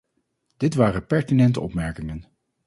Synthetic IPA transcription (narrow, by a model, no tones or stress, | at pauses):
d̥ɪtʋaːrəpɛɹtinɛntəɔpmɛɹkɪŋən